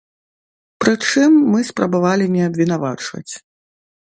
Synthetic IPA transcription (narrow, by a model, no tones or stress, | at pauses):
pɾɨt͡ʂɨmːɨspɾɐbavalʲinʲɛɐbʲvʲinavat͡ʂvɐ̰t͡sʲ